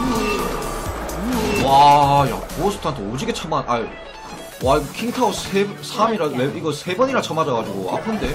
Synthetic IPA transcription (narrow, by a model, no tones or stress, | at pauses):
waja̰kuosʰɯ̥tʰant͈ood͡ʑiɡet͡ɕʰʌmanʔaɭ | wakʰiŋtʰaossʰesʰamiɾaweʔiɡʌsʰe̞bʌɲiɾat͡ɕʰʌmad͡ʑʌɡad͡ʑuɡoa̰pʰɯnde̞